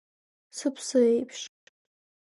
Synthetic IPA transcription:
sɨpʰsɨejpʰʃʼ

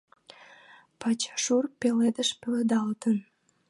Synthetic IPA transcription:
pɑt͡ɕʃurpeled̪əʃpeled̪ɑlt̪ən

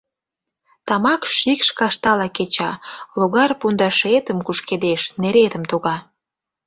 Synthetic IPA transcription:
t̪ɑmɑkʃikʃkɑʃt̪ɑlɑket͡ɕɑloɣɑrpund̪ɑʃet̪əmkuʃked̪eʃneɾet̪ə̆mt̪uɣɑ

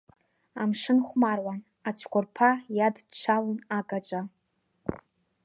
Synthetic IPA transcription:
amʂɨnχʷmarwan | at͡ʃʷʰkʷʊrpʰajadt͡ʃʰalnakʼat͡ʃʷʼa

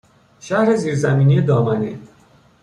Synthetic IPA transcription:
ʃæhɾe̞ziːɾzæmiːnijed̪ɒːmænḭ

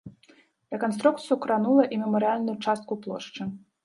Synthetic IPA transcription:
rɛkɔnst̪ɾukt̪sɨjukɾanulˠɐʔimʲɛmɐɾɨalʲnʊjut͡ʂast̪̚kuplˠɔ̰ʂt͡ʂɨ

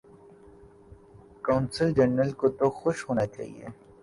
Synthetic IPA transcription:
kawnsɪld͡ʒɐɳːəlkot̪oxʊʃɦoːnat͡ʃa̰ːɦḭḛ

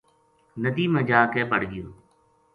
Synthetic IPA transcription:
nəd̪iːmə̃d͡ʒaːkeːpəɽɡɪjoː

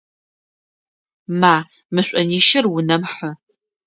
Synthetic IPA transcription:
maː | mɨɕʷʼɐniːʃɪrwʊnɐmħə

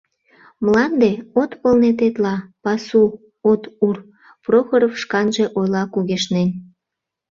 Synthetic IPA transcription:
mlɑnd̪eot̪pəlnet̪et̪lɑpɑsu | ot̪ur | proxoɾofʃkɑnʒeʔojlɑkuɣeʃnen

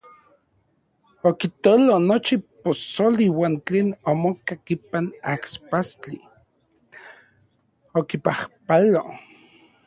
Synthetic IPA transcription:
okit̪olonot͡ʃiposoliwaːnt͡ɬeːnomokakipanakspast͡ɬi | okipahpalo

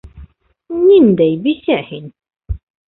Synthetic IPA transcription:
nind̪æjbisæhin

